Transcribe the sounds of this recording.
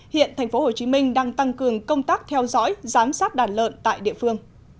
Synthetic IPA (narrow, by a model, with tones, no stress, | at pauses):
hḭ˧˨ənt̪ʰa˨˩jŋ̟fo˨˦ho˨˩t͡ɕi˨˦mï˧ŋ̟ɗaː˧ŋt̪a˧ŋkɨ˨˩əŋkə˧wŋ͡mt̪aː˦˥k̚t̪ʰɛ˧wzɔ̰˧˥jzaː˨˦msaː˦˥t̚ɗaː˧˩nlə̰ː˧˨nt̪a̰ː˧˨jɗḭ˧˨əfɨ˧əŋ